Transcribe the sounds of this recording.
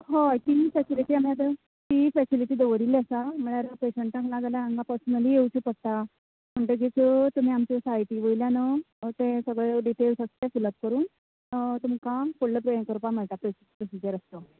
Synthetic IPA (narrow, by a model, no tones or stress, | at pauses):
ɦoajt̪ifɛsiliʈiːamjad̪ə | t̪ifɛsiliʈiːd̪əʋəɾiːlasam̤əɭaɾapeɕəɳʈaklaɡaljaaŋɡapəɾsənəliewt͡ɕupəɽ̚t̪a | m̤əɳʈ̪əɡet͡sət̪um̤iamt͡ɕesajʈiːʋəjljanə | t̪esəɡɭeɖiʈelsəst̪efuləp̚kəɾuːn | t̪umkakoɽləpɾəjənkəɾpam̤əɭʈ̪apɾo | pɾosid͡ʑəɾəst̪o